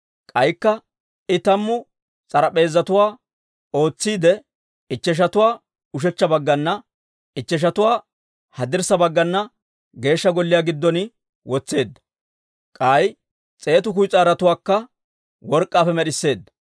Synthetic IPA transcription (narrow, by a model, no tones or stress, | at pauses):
kʼɐjkːɐ | ɪt̪ɐmːʊ | t͡sʼɐɾɐpʼe̞ːzːɐt̪ʊwaː | o̞ːt͡sːiːd̪ɛ | ɪt͡ʃːɛʃ̬ɐt̪ʊwaː | ʊʃ̬ɛt͡ʃːɐbɐɡːɐnːɐ | ɪt͡ʃːɛʃ̬ɐt̪ʊwaː | hɐd̪ɪɾsɐbɐɡːɐnːɐ | ɡe̞ːʃːɐɡɔlːɪjaːɡɪd̪ːɔnɪ | wɔt͡sːe̞ːd̪ːɐ̥ | kʼɐj | t͡sʼe̞ːt̪ʊk̬ʊjt͡sʼaːɾɐt̪ʊwaːkːɐ | wɔɾkʼːaːfɛmɛɗɪsːe̞ːd̪ːɐ̥